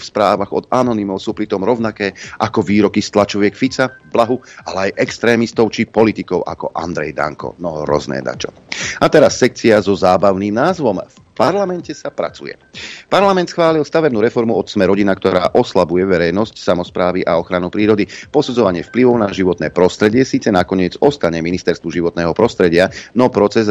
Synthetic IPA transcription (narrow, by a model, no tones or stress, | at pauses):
fspɾaːʋaɣɔ̰d̪anɔnimɔʊsuːpɾit̪ɔmɾɔʊnakɛːʔakɔʋiːɾɔkist̪lat͡ʃɔʋɪɛkfit͡sablaɦualɛajʔɛkst̪ɾɛːmist̪ɔʊt͡ʃipɔlit̪ikɔʊʔa̰kɔ̰ʔa̰nd̪ɾɛ̰jd̪a̰ŋkɔ̰nɔɦɾɔ̰znɛ̰ːd̪a̰t͡ʃɔ̰ | at̪ɛɾasːɛk̚t͡siazɔzaːbaʊniːmnaːzʋɔmf | paɾlamɛncɛsapɾa̰t͡sṵjɛ̰paɾlamɛnt̪sxʋaːlilst̪aʋɛbnuːɾɛfɔɾmuɔt̪smɛɾɔɟinakt̪ɔɾa̰ːʔɔslabujɛʋɛɾɛjnɔscsamɔspɾaːʋiʔaɔxɾanupɾiːɾɔd̪ipɔsud͡zɔʋaɲɪɛfpliʋɔʊnaʒiʋɔt̪nɛːpɾɔst̪ɾɛɟɪɛsiːt͡sɛnakɔɲɪɛd͡zɔst̪aɲɛminist̪ɛɾst̪ʋuʒiʋɔt̪nɛːɦɔpɾɔst̪ɾɛɟɪanɔpɾɔt͡sɛz